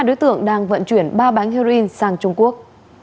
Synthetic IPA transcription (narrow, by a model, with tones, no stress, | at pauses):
ɗo˨˦jt̪ɨ̰˧˨əŋɗaː˧ŋvə̰˧˨nt͡ɕwi˧˩ənɓaː˧ɓa˨˦jŋ̟hi˧ɾo˧ʔi˧nsaː˧ŋt͡ɕʊ˧ŋ͡mku˦˥ək̚